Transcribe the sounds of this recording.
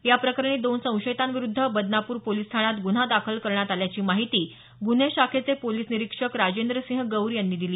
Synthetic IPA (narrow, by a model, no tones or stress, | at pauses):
japɾəkəɾɳiːd̪onsə̃w̃ɕet̪anʋiɾud̪ʱːəbəd̪napuːɾpolist̪ʰaɽ̃at̪ɡun̤ad̪akʰəlkəɾɳjat̪aljat͡ɕiːmaɦit̪iː | ɡun̤eɕakʰet͡sepoliːsniɾikʂəkɾad͡ʑend̪ɾəsĩŋɦɡəwɾijanːiːd̪iliː